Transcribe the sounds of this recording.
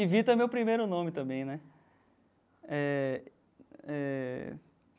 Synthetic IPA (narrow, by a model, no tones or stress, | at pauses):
ivit̪ɐmewpɾimejɾʊnõmɪt̪ɐ̃mbẽj̃nɛ | ɛ | ɛ